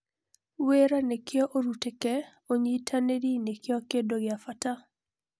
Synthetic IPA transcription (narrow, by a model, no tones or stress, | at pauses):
weɾanekɪɔʔoɾutekɛ | oɲitʰaneɾinekɪɔkedoɡɪafata